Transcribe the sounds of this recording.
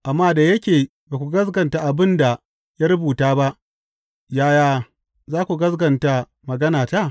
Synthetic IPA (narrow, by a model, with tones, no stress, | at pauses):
ʔa˨mːaː˦da˨jɐ˦kʲeː˨ | baː˨kʷu˨ɡɐ˦s̬ɡɐ˨nta˨ʔa˨bɪ˦nda˨ | ja˦ɾʊ˦buː˨taː˦ba˦ʔ | jaː˦jaː˦ | zaː˦kʷu˨ɡɐ˦sɡɐ˨nta˦ | mɐ˨ɡɐ˦naː˨ta˦˨